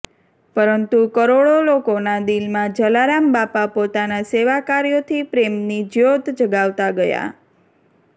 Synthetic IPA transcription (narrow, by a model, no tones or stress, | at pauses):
pəɾənt̪ukəɾoɽolokonad̪ilmãd͡ʒəlaɾambapapot̪anaseʋakaɾijot̪ʰipɾemnid͡ʒjod̪d͡ʒəɡaʋt̪aɡəja̰